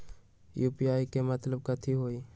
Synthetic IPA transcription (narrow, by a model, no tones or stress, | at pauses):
juːpiaːikemɐt̪ləb̚kət̪ʰiɦoːiː